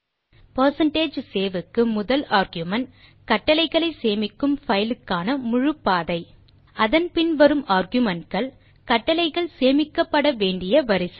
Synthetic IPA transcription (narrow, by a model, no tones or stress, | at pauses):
pɐɾsɐɳʈeːd͡ʒseːʋɯkːɯmʊðɐlaːɾɣjʊmɐn | kɐʈːɐlɐɪɣɐɭɐɪseːmɪkːɯmfɐjɪlɯkːaːnɐmʊɻɯpːaːðɐɪ | ɐðɐnpɪnʋɐɾɯmaːɾɣjʊmɐɳʈ̚kɐɭ | kɐʈːɐlɐɪɣɐɭseːmɪkːɐpːɐɽɐʋeːɳɖɪjɐʋɐɾɪsɐ